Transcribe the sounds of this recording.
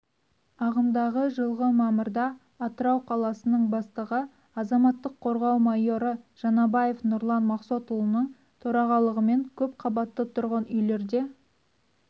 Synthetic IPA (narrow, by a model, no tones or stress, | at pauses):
ɑʁənd̪ɑʁəʒəlˠʁəmɑməɾd̪ɑː | t̪əɾɑwqʰɑlˠɑsənəɴbɑst̪əʁə | ɑzɑmɑt̪ːəqʰo̞ɾʁɑwmɑjo̞ɾəʒ̥ɑnɑbɑje̞fnʊɾlˠɑnmɑqsot̪ulˠənəɴ | t̪ʰɵɾɑʁɑlˠəʁəme̞ŋkʲʰɵpqʰɑbɑt̪ːət̪ʰʊɾʁɑnʏjle̞ɾd̪e̞